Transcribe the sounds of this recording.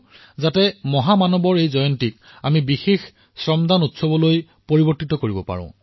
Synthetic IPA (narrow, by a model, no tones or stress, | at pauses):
zatɛmɔɦamanɔbɔɹejzɔjɔntik | amibixex | sɹɔmdʱanutsɔbɔloj | poɹibɔɹtitɔkoɹibɔpa̰ɹʊ̰̃